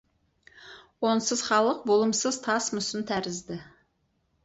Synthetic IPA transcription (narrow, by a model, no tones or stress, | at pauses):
wonsəzχɑlˠəq̚bolˠʊmsəzt̪ʰɑsmʊsɪnt̪ʰæɾɪzd̪ɪ